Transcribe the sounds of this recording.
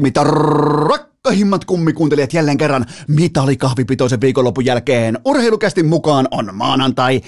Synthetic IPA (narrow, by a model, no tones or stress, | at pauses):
mit̪ɑrɑkːɑhimːɑt̪kumːikuːneliɑt̪jælːeːŋkerːɑnmit̪ɑlikɑhʋipit̪oˑiseʋʋiːkolːopːujælkeːnurheilukæst̪immukɑːnonmɑːnɑnt̪ɑi